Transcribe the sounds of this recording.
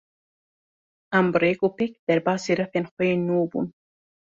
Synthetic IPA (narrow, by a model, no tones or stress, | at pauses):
ambɾekopek̚d̪aɾbɑːsiɾafenxwenobṵn